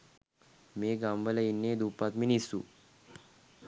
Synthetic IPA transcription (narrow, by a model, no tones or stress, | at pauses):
meɡambəlainːed̪upat̪minisṵ